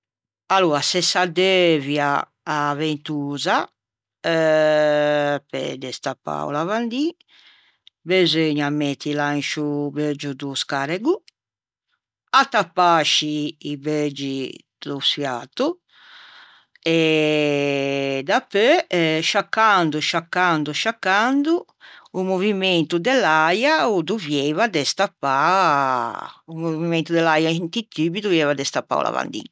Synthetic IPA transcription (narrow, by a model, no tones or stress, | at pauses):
aluːɾasɛsad̪evjaː | vent̪uːza | pɛ̰d̪ɛst̪apːa̰w̰lavand̪i | bezøɲamet̪ːilant͡ʃubed͡ʒud̪uskaɾɛɡu | at̪ːapːaʃiːβed͡ʒid̪usfjat̪u | ɛ | d̪apːøʃakːand̪uʃakːand̪uʃakːand̪uː | movimɛnt̪ud̪ɛlajaud̪uvjɛvad̪ɛst̪apːa | umovivimɛnt̪ud̪ɛlajaint̪it̪ːiːbid̪uvjɛvad̪ɛst̪apːa̰ulʔa̰va̰nd̪ḭn